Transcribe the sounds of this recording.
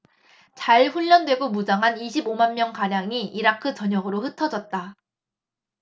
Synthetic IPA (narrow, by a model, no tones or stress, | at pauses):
t͡ɕaɭɸuʎːʌndwe̞ɡomud͡ʑaŋɦaniɕʰibomanmjʌŋkaɾjaŋiʔiɾakʰɯt͡ɕʌɲʌɡɯɾoɸɯtʰʌd͡ʑʌt̚t͈a